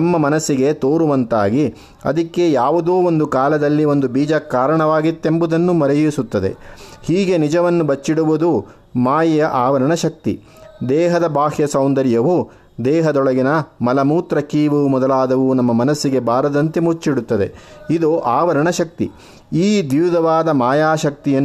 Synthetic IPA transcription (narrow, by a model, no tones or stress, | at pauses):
nɐmːɐmɐnɐsːiɡe̞t̪oːɾuʋɐnt̪aːɡi | ɐ̰d̪ɐkːe̞jaːʋud̪oːond̪ukaːlɐd̪ɐlːio̞nd̪ubiːd͡ʒɐkːaːɾɐɳɐʋaːɡit̪ːe̞mbud̪ɐnːumɐɾɛjisut̪ːɐd̪e̞̰hiːɡe̞nid͡ʒɐʋɐnːubɐt͡ʃːiɽuʋud̪u | maːjɐjɐʔaːʋɐɾɐɳɐʃɐk̚t̪ḭ | d̪ɛːɦɐd̪ɐbʱaːhjɐsɐwnd̪ɐɾjɐʋu | d̪ɛːɦɐd̪ɔɭɐɡinɐmɐlɐmuːt̪ɾɐkiːʋumɔd̪ɐlaːd̪ɐʋunɐmːɐmɐnɐsːiɡe̞baːɾɐd̪ɐnt̪emut͡ʃːiɽut̪ːɐd̪e̞id̪oːʔaːʋɐɾɐɳɐʃɐk̚t̪ḭ | iːd̪iʋːd̪ɐʋaːd̪ɐmaːjaːʃɐk̚t̪ijɐ